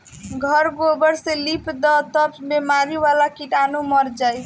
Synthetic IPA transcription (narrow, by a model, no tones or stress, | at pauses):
ɡʱʌɾɡobəɾselipʰd̪ɔt̪əbbemaɾiʋalakiʈanumʌɾd͡ʒajt̪ʰ